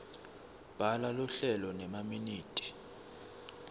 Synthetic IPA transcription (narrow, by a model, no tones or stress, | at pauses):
b̥ʱalaluɬɛlɔnɛmaminiːtʼi̥